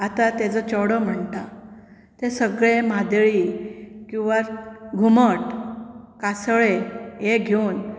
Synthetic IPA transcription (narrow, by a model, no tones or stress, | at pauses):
at̪at̪ed͡zət͡ɕəɽəm̤əɳt̪a | t̪esəɡɭemad̪ɭikĩw̃ʋaɾɡʱuməʈkasɭejeɡʱeun